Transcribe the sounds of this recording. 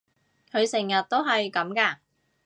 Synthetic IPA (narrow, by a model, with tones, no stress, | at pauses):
kʰɵ˨˧ɥsɪ˨˩ŋjɐ˨t̚t̪o˥wɦɐ˨jkɐ˨˥mkɐː˧